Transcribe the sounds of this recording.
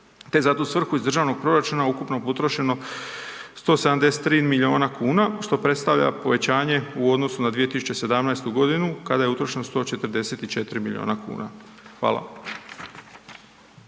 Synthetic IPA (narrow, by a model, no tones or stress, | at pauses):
t̪e̞zat̪oːsʋr̩xuizd̪ɾr̩ʒaːʋno̞ɡ̚pɾo̞ɾat͡ʃunaukupnoput̪ɾoʃe̞no̞ | st̪o̞ːseamd̪e̞set̪ːɾiːnmilio̞ːnakuːnaʃt̪o̞pɾe̞t̪st̪aʋʎa̰po̞ʋe̞t͡ɕaːɲeuo̞d̪no̞sunad̪ʋije̞t̪isut͡ɕe̞se̞d̪amnajst̪uɡo̞d̪inukad̪aje̞ut̪ɾo̞ʃe̞nost̪o̞t͡ʃe̞t̪ɾ̩d̪e̞set̪it͡ʃe̞t̪ɾimilʎʲḭo̰ːnakṵːna̰ | xʋa̰ːlˠa̰